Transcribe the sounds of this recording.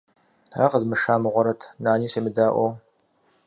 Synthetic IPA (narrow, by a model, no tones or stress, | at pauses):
a̰qəzmɨʂaːmɨʁʷɔɾɐtʰnaːniːsemɨdaːʔʷow